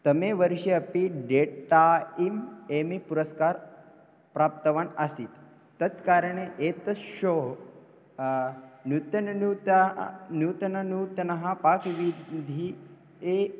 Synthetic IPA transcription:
t̪ɐmeʋəɾʃeɐpiɖeʈaimemipuɾəskaɾ | pɾaːp̚t̪ɐʋanasiːt̪ː | ɐt̪kaɾɳeʔet̪ɐʃoɦ | nut̪ɐnu | njuːt̪ɐnɐnuːt̪ɐnɐɦapakʋid̪ʱi | e

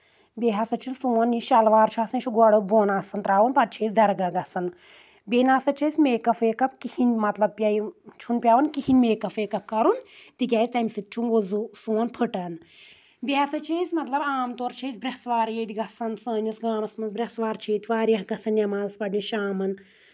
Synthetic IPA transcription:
bʲeɦɐsɐt͡ʃʰilsuːɐnjiʃɐlʋaːɾt͡ʃʰaːsɐnt͡ʃʰuɡɐɽəboːnaːsɐnt̪ɾaːʋɐnpɐt̚t͡ʃʰeːsʲd̪ɐɾɡɐɡɐsɐn | bʲeːnaːsɐt͡ʃʰesʲmeːkɐfeːkɐp̚kihinʲmɐt̪lɐb̚pʲjait͡ʃʰunpʲaːʋɐnkihinʲmeːkɐfeːkɐp̚kɐɾunt̪ik̬ʲaːisʲtɐmsit̪̚t͡ʃʰunozusuːɐnpʰɨʈɐn | bʲiɦasɐt͡ʃʰeːsʲmɐt̪lɐbaːmt̪oːɾt͡ʃʰeːzʲbɾʲɐsʋaːɾjeːt̪ʲiɡɐsɐnsəːnʲɐsɡaːmɐsmɐnsbɾʲɐsʋaːɾt͡ʃʰeːt̪ʲʰʋaːɾjɐɦɡɐsɐnjɐmaːzɐspɐɖninʃaːmɐn

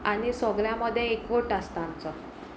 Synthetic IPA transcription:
aɽ̃isəɡɭjaməd̪ʱːjeekʋoʈast̪amt͡sɔ

